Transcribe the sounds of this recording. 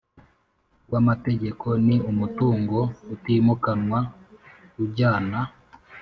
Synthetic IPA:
wamateɟe̞kʰoniumutuːŋɡoutimukanwa | kuɟaːna

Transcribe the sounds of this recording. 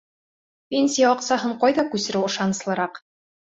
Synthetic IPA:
pʲenʲsʲijɑɒqsɑɦɤɴqɑjðɑkʉsɘ̆ɾɘwɤ̆ʃɑnɤ̆slˠɤ̆ɾɑq

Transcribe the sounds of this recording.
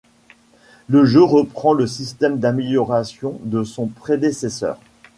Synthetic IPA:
ləʒøʁəpχɑ̃ləsist̪ɛmd̪ameljɔʁasjɔ̃d̪əsɔ̃pχed̪esesœ̰ːʁ

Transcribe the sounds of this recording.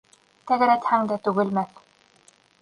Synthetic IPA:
t̪æɡɘ̆ɾæt̪hæŋd̪æt̪ʉɡɘ̆lmæθ

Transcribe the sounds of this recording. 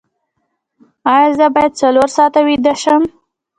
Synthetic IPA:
ɑjɑzəbɑjad̪̚t͡saloɾsɑt̪awid̪əʃəm

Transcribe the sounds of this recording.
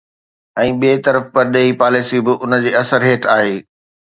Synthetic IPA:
ɛ̃ːɓeːt̪ɐɾəfpɐɾɗeːɦipaːlɪsibɪʔʊnəd͡ʑeːɐsəɾɦeːʈaːɦeː

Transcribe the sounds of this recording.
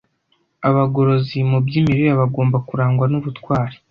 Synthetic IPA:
aβaɡo̞ɾo̞zimubɟiːmiɾijaβaɡo̞ːmbakuɾaːŋɡwanuβutwaːɾi̥

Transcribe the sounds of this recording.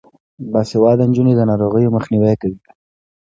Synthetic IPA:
basɪwɑd̪ənd͡ʒuned̪ənɑɾoɣəjoməxniwɛkawi

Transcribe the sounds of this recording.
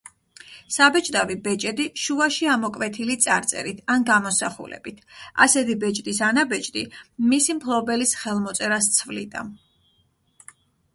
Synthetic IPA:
sabɛt͡ʃʼd̪ʼavibɛt͡ʃʼɛd̪iʃuaʃiamɔkʼvɛt̪ʰilit̪sʼaɾt̪sʼɛ̰ɾit̪ʰanɡamɔsaχṵlɛ̰bit̪ʰa̰sɛt̪ʰibɛt͡ʃʼd̪isanabɛt͡ʃʼd̪ʼimisimpʰlˠɔbɛlisχɛlˠmɔt̪sʼɛɾast̪sʰvlḭd̪a̰n

